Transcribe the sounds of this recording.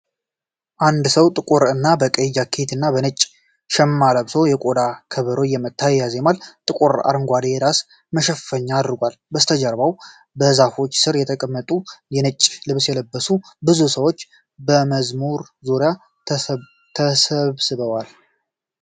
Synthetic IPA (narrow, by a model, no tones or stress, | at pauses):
ʔand̪səwt̪ʼɨkʼuɾɨnːabəkʼejːakʰet̪ʰɨnːabənət͡ʃʼː | ʃɛmːaləβsojɛkʼod̪akʰəβəɾojɛmət̪ʰːajjazemalt̪ʼɨkʼuɾa̰ɾɨŋɡʷad̪ejɛɾas | məʃɛffəɲːaːd̪ɾɨɡʷal | bəst̪ʰəd͡ʒəɾbaw | bəzafo̞t͡ʃːsɨɾjɛt̪ʰəkʼəmːət̪ʼujɛnət͡ʃʼːlɨβsjɛləbːəsubɨzusəwo̞t͡ʃː | bəməzmuɾ | zoɾja | t̪ʰəsəβsɨβəwal